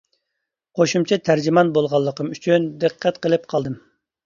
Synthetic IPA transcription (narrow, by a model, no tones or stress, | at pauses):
qʰoʃumt͡ʃʰɛt̪ʰæɾd͡ʒimɑnbolˠʁɑlˠːəqʰəmyt͡ʃʰynd̪ɨqʰːɛt̪qʰəlˠɨp̚qʰɑlˠd̪ɨm